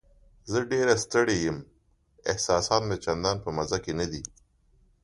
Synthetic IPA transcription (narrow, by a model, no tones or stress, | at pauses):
zəɖeɾast̪əɽejəm | ɪ̰hsɑsɑt̪met͡ʃand̪ɑnpəmazakenad̪i